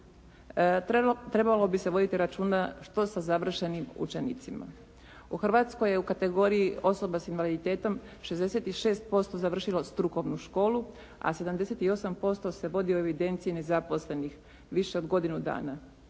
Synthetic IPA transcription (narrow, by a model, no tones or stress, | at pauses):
t̪ɾe̞balo̞bise̞ʋo̞d̪it̪iɾat͡ʃuːnaʃt̪o̞sazaʋr̩ʃe̞nimṵt͡ʃe̞nḭt̪sima̰ | uxr̩ʋaːt̪sko̞je̞ukat̪e̞ɡo̞ɾijio̞so̞basinʋalid̪it̪eːt̪o̞m | ʃe̞zd̪e̞se̞t̪iʃe̞ːst̪̚po̞st̪o̞zaʋr̩ʃilo̞st̪ɾuko̞ʋnuʃko̞ːlˠu | a̰se̞d̪amd̪e̞set̪io̞sampo̞st̪o̞se̞ʋo̞d̪ioeʋid̪e̞nt̪sijine̞zapo̞sle̞nix | ʋiʃeo̞d̪ɡo̞d̪inud̪a̰ːna